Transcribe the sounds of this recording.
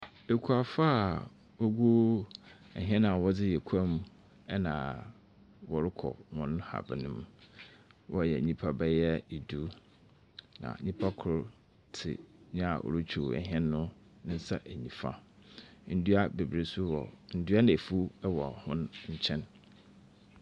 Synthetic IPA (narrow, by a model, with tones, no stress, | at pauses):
e˨kʰu˨a˨fa˦˨ | wo˦ɡo˦ | ɛ̰˨ɦɛ̃˦nã˨wɔ˦d͡zɪ˦jɛ˨kʰa˦mu˦ | ɛ˦nãː˨ | wɔ˨ɾɪ˦kʰɔ̰˨wɔ̃˨ñ˦ha̰˨bɪ˨nɪ̃˦m˦ | wʔɔ˦˨jɛ˨ɲĩ˦pʰa˦bɛ˦jɛ˦i˨du˨˦ | nã̰˨˦ɲĩ˦pʰa˦kʰʊ˨ɾ | tʰɪ̰˨ɲã˦a˨ʔɔ̰˨ɾʊ˦t͡ɕᶣʰu˨ɛ̰˨ɦɛ̃˦nːʊ̃˦ | nɪ̃˦n̩˦sa˦ʔæ˨ɲĩ˨fa̰˦ | n̩˦du˦a˦be˨bɾe˨su˦wɔ˨n̩˦dɥa˦nã˨e˨fu˦ɛ˦wɔ̰˨hʊ̃˦n˦ɲ̩˦t͡ɕʰɛ̃˦n